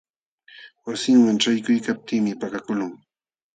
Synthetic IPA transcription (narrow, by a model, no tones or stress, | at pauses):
wasɪŋwaŋt͡ʃajkʊjkap̚t̪iːmɪpakakʊlʊŋ